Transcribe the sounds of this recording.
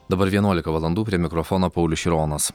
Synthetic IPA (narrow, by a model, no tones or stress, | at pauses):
d̪ɐbɐɾʋʲiɛnuɔlʲɪkɐʋɐlˠɐnd̪uːpʲɾʲiɛmʲɪkɾɔfɔnoːpɐʊlʲʊʃʲiɾoːnɐs